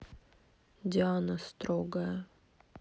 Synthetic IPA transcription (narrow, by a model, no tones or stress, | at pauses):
dʲɪanəst̪ɾoɡəjə